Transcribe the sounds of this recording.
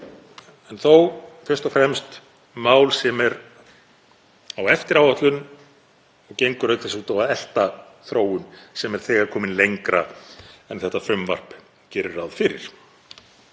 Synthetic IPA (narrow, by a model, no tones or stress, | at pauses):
ɛnθowfɪr̥t̪ɔfɾɛmst̪ | maːwlsɛmɛɾ | awɛft̪ɪɾawaht̪lʏn | ɔɣcejŋkʏɾœɥk̪θɛsuːt̪awaðɛl̥t̪a | θɾoːwʏnsɛmɛɾ̥θɛːɣaɾkʰɔːmɪnlejŋkɾaɛnθɛht̪afʏmva̰r̥p | cɛːɾɪrːawðfɪɾɪ̰ɾ̥